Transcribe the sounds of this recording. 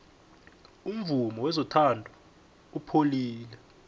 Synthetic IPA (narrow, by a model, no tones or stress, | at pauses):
um̩vumɔwɛzɔtʰandʱɔ | upʰoliːlɛ